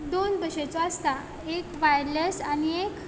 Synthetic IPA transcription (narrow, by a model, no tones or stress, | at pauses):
d̪onb̪əɕet͡sɔast̪a | ekʋajlesaniek